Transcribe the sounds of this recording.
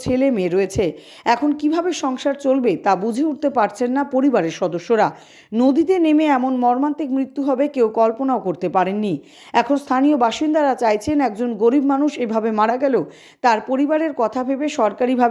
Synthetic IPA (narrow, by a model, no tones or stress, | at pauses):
t͡ɕʰelemeɾoet͡ɕʰe | ɛkʰonkibʱabeʃɔŋʃaɾt͡ɕolbet̪abud͡ʑʱeuʈ̚t̪epaɾt͡ɕʰenːapoɾibaɾeɾʃɔd̪oʃːoɾa | nod̪it̪enemeɛmonmɔɾmant̪ik̚mɾit̪ːuɦɔbekewkɔlponaokoɾt̪epaɾenːi | ɛkʰonst̪ʰaniobaʃind̪aɾat͡ɕajt͡ɕʰenɛk̚d͡ʑonɡoɾibmanuʃebʱabemaɽaɡɛlo | t̪aɾpoɾibaɾeɾkɔt̪ʰabʱebeʃɔɾkaɾibʱab